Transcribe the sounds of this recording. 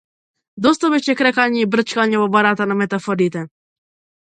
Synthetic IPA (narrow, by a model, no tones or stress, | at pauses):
d̪ɔst̪abɛʃɛkɾɛkaɲɛibɾət͡ʃkaɲɛvɔbaɾat̪anamɛt̪afɔɾit̪ɛ